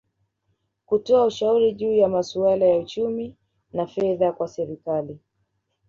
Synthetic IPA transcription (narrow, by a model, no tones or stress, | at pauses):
kutɔauʃauɾiʄuːjamasualajaut͡ʃumi | nafɛðakwasɛɾikali